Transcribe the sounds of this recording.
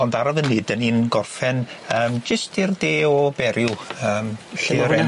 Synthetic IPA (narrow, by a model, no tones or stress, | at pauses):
ɔndaɾɔvənɨdəninɡɔrfɛnəːmd͡ʒəstirdeːɔbɛɾjuəːmɬeɾɛn